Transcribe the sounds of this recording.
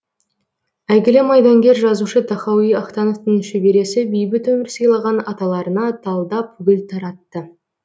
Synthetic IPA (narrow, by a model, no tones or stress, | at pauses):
æjɡʲɪlɪmɑjd̪ɑŋɡʲe̞ɾʒɑzuʃət̪ʰɑχɑwijɑχt̪ɑno̞vt̪əŋʃʏbe̞ɾe̞sɪbijbɪt̪ɵmɪɾsɯjlˠɑʁɑnɑt̪ɑlˠɑɾənɑt̪ʰɑlˠd̪ɑpʰʊɡʲɪlʲt̪ʰɑɾɑt̪ːə